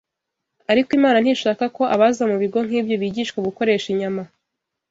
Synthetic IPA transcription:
aɾikimaːnan̥iːʃaːkako̞ʔaβazamuβiɡo̞ŋ̥iːbjo̞βiːɟiʃweβuko̞ɾe̞ːʃiɲama

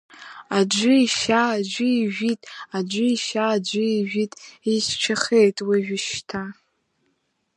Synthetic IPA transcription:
ad͡ʒʷʊiʃad͡ʒʷʊiʒᶣitʼad͡ʒʷʊiʃad͡ʒʷʊiʒᶣitʼiʃt͡ʃʷʰaχejtʼwiʒᶣɪʃtʰa

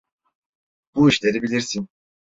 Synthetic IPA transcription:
b̥uiʃlʲe̞ɾibilʲiɾsin

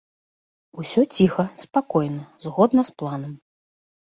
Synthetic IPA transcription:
usʲɔt͡sʲixɐspakɔjnɐzɣɔd̪nɐsplˠanɐm

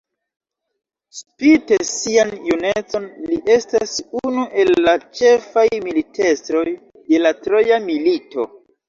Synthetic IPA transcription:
spite̞sianjunet͡so̞nliʔe̞stasunuʔe̞lːat͡ʃe̞fajmilite̞stɾo̞j | de̞latɾo̞jamilito̞

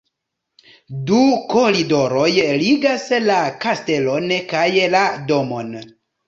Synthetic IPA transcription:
duko̞ɾido̞ɾo̞jliɡaslakaste̞lo̞nkajladomo̞̰n

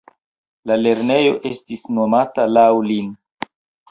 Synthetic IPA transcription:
lale̞ɾne̞jo̞̰ʔe̞stisno̞matalawlin

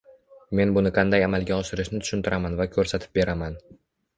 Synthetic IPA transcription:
me̞nbʊnɪqʰɑnd̪ajamalˠɡʲaɒʃɪɾɪʃnɪt̪ʰʊ̥ʃʊnt̪ʰɪɾʔamanvakʲʰɵɾsat̪ʰɪ̥p̚be̞ɾaman

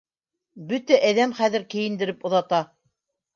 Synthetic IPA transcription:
bɵt̪æʔæðæmχæðɘ̆ɾkɘ̆jɘ̆nd̪ɘ̆ɾɘpŏðɑt̪ɑ

